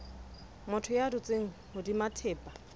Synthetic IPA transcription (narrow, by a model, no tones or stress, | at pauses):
mʊtʰʊjadʊt͡sʼeŋ̩hʊdimatʰɛːpʼḁ